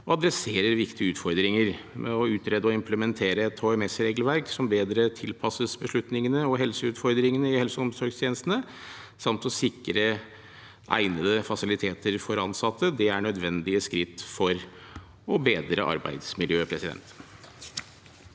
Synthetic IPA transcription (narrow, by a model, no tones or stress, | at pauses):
ɔɑd̪ɾɛseːɾəɾʋɪkt̪ʰɪəʉːt̪fɔɾd̪ɾɪŋəɾmʔɛ̰ɔʉːt̪ɾeːd̪əɔɪmpʰləmɛnt̪ʰeːɾəɛt̪hoːɛmɛsɾeːɡəlʋæɾksɔmbeːd̪ɾət̪ʰɪlpʰɑsəsbəʂɭʉt̪nɪŋənəɔɦɛlsəʉːt̪fɔɾd̪ɾɪŋənəɪhɛlsəɔmsɔɾɡst̪ʰjeːnəst̪ənə | sɑmt̪ɔsɪkːəɾə | ʔæ̰ɪnəd̪əfɑsɪlɪt̪ʰeːt̪ʰəɾfɔɾɑnsɑt̪ːəd̪ɛæɳœd̪ʋɛnd̪ɪəskɾɪt̪ːfɔɾ | ɔbeːd̪ɾə̰ʔɑ̰ɾbæ̰ɪd̪smɪljøːpʰɾɛsɪd̪ɛ̰nt̪